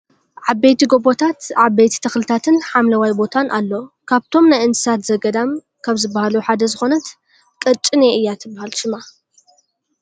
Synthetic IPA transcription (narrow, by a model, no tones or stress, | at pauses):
ʕabejt̪iɡo̞bot̪ʰat̪ʕabejt̪ʰi̥t̪ʰɐxlɨt̪ʰat̪ʰɨnħamlɐwajbo̞t̪ʰanʔalːokʰaβt̪ʰo̞mnajɨnt̪ɨ̥sat̪zɐɡɐd̪am | kʰaβzɨbːahaluħad̪ɐzɨxo̞nɐt̪ | kʼɐt͡ʃʼːɨneɨjːat̪ʰɨbːahalʃɪma